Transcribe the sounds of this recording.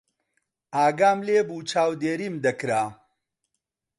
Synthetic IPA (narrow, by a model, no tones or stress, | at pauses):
aːɡaːmleːbut͡ʃaːwd̪eːɾimd̪ɐkɾaː